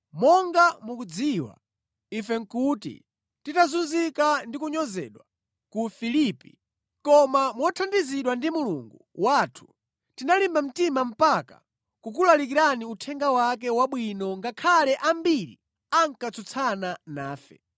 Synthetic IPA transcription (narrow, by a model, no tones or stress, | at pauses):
mɔŋɡamukud͡ziwa̰ | ifɛŋ̩kutḭ | titazunzikandikuɲɔzɛ̰ɗwa | kufilipḭ | kɔmamwɔtʰandiziɗwandimuluŋɡuwatʰu̥ | tinalimbam̩timam̩paka̰ | kukulalik̬iɾaniutʰɛŋɡawak̬ɛwaɓwinɔŋɡakʰalɛʔambiɾḭ | aŋkat͡sʰut͡sʰananaːfɛ̰